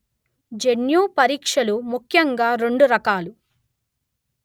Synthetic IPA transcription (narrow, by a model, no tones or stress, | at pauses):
d͡ʒenjuːpɐɾiːkʂɐlumukʰjɐŋɡaːɾe̞ɳɖuɾɐkaːlu